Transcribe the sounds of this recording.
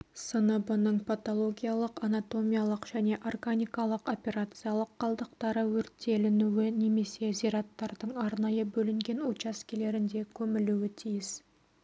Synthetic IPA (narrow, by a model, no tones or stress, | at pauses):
sənəbʊnəɴpʰɑt̪o̞lˠo̞ɡʲijalˠəqɑnat̪o̞mijalˠəqʒ̥æne̞ʔorɡanʲijkɑlˠəqo̞pʲe̞ɾat̪sɨjalˠəqːɑlˠd̪əq̚t̪ɑɾəwɵɾt̪ːe̞lɪnuwɪne̞me̞se̞ziɾɑt̪ːɑɾd̪əɴɑɾnɑjəbɵlɪŋɡʲe̞nut͡ʃaskʲele̞ɾɪnd̪e̞kʲʰɵmɪluɪt̪ʰijɪs